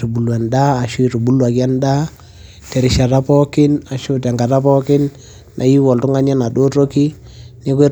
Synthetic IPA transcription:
u˨bu˨lwa˨ndaː˦˨ʃu˦i˨tu˨bu˦lwa˨kja˦nda˦ | tɛ˨ɾɪ˨ʃa˨ta˦pɔ˦kɪ˦na˨ʃʊ˦ta˨ŋɡa˨ta˦pɔ˦kɪ˦nː | ʔa̰˨i˦wɔ˨ltʊ˦ŋa˦ɲa˦na˨do˦to˦ki˦ | nɪ˦k̬e˦

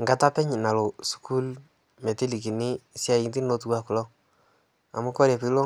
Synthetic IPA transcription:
ŋɡa˨ta˦pɛ˦ɲna˨lo˨su̥˦ku˦l | me˨ti˦li˨ki˨ni˦sa˦˨ŋ˦ti˦no˦tu˦wa˦˨kʊ˨lɔ˦ | a̰˨mu˦kɔ˦ɾe˨pi˦lɔ˦

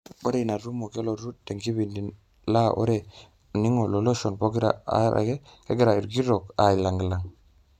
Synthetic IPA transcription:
o˦ɾe˦˨na˨ɾu˦mo˨ke˦lo˨ɾu˦de˨ŋki˦bi˨ndi˨n | la˦ʔo̰˦ɾe˨ | ni˦ŋo˨lo˨lo˦ʃo˨npo˦ɡi˦ɾa̰˨a̰˦ɾʔa̰˨ɡe˦ke˦ɡe˦ɾa˨i˨ɾɡi˦ɾo˨ka˨i˨la˨ŋɡla˨ŋ

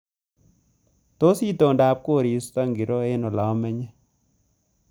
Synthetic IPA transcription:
to˦si˦to˨nda˨p̚ko˦˨ɾi˨˦st̪a˦ŋɡi˨ɾo˦e˦nɔ˨la˨ɔ˦mɛ˦ɲɛ˦

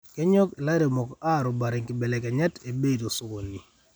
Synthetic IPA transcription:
ke˦ɲɔ˦ke˨la˦ɾe˨mɔ˨ka˦˨ɾo˨ba˨ɾɪ˨ŋkɪ˨bɛ˨lɛ˨kɛ˨ɲa˦te˨be˦˨do˨sʊ˨wo˨ni˨

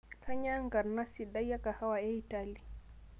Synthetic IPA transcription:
kʰa˦ɲa˦ŋ˦ɡa˨na˦si˨da˦jja˦ka˨ha˦wa˨ɛ˦i˦ta˦li˨

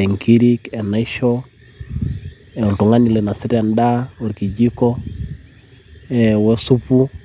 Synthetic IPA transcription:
ɛ˨ŋkiɾikɛ˨na˦i˦ʃɔ | ɛu˨ntu˨ŋa˦ni˨lɛ˨na˨si˦ɾanda˦ɔ˨ɾki˨d͡ʒi˦kɔ˦ | ɛwɛ˦su˦pu˦

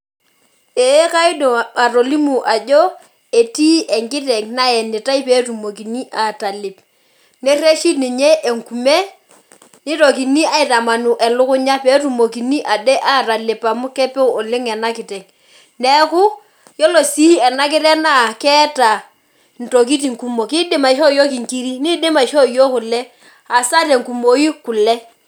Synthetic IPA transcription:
e˨˦ka˦ɪ˦do˨a˨ɾo˨li˦mu˨ʔa˨d͡ʒo˦ | e˨ti˦ʔɛ˨ŋɡɪ˦tɛ˨ŋna˦ɛ˨nɪ˨ta˦i˦peː˨˦tu˨mo˨k̬i˨ni˦ʔa˨ta˨lɪ˨p | ne˦re˦ʃi˦ni˨ɲe˦ʔe˨ŋku˨me˦ | ni˦ɾo˨k̬i˨ni˦a˦˨ɪ˨ta˨ma˨nu˨ʔɛ˨lʊ˦kʊ˦ɲa˦peː˦tu˨mo˨ki˨ni˦ʔa˨dɛ˦ʔa˦ta˨lɪ˨pa˨mʊ˦kɛ˦pɛ˦ɔ˨lɪ˦ŋɛ˨na˦kɪ˨tɛ˨ŋ | nɛ˦kʊ˦ | jɔ˦lo˨si˦ɛ˨na˦kɪ˦ɾɛ˦na˦˨kɛ˦ta˨ | n̩˨to˨k̬i˦t̬i˨ŋku˦mo˨ki˦dɪ˦ma˨˦ʃ̬o˦˨jo˦ki˨ŋki˦ɾi˦ni˦dɪ˦ma˨ʃo˦jo˦kʊ˨lɛ˦ | a˨sa˦tɛ˨ŋku˨mo˨i˦kʊ˨lɛ˦

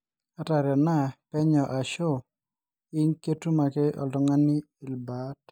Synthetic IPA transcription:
a˦ta˨ɾjɔ˨na˦pɛ˦ɲɔ˨ʔa˨ʃo˦˨ | ɪ˦nke˦tu˦ma˨kɛ˦ʔɔ̰˨ltɔ˨ŋa˦niː˦˨lba˨˦t

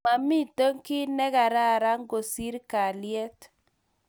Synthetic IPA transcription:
a˨mi˦˨to˦ŋkɪ˦nɛ˦ɡa˨ɾa˦˨ɾa˦ŋ˦ɡo˨si˦ɾka˨ljɛ˦t

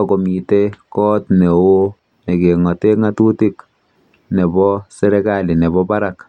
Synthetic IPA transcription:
ko˨mi˨te˦kɔ˦tne˨o˦ | ne˨ke˨ŋɔ˨te˦ŋa˦tu˦ti˦k | ne˨bɔ˦se˦ɾe˦kali˨ne˨βɔpa˦ɾak

